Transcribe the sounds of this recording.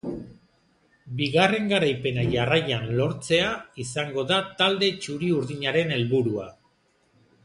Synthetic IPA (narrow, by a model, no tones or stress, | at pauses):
biɣare̞ŋɡaɾajpe̞naʝarajanlo̞ɾt͡se̞aisaŋɡo̞ðat̪ald̪e̞t͡ʃuɾiuɾðiɲaɾe̞ne̞lβuɾua